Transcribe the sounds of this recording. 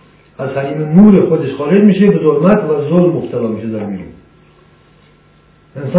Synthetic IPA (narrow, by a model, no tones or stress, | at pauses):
azhaɾimimuɾiχod̪eʃχɔːɾed͡ʒmiʃebɪzolmat̪ʰvazolmʊχt̪ʰalɔmiʃed̪aɾmiɾṵ | ensɔ